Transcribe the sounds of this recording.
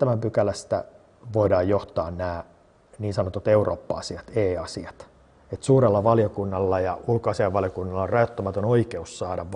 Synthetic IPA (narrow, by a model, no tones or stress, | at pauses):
t̪æmæmpykælæst̪æ̰ | ʋoidɑːjjoht̪ɑːnnæː | niːnsɑnot̪ut̪eurʔo̰ːpːɑ̰ɑ̰siɑt̪eːɑsiɑt̪ | et̪suːɾelːɑʋɑljokunːɑlːɑjɑulkoɑsiɑʋɑljokunːɑlːɑrɑjot̪ːomɑt̪onoikeussɑːdɑʋ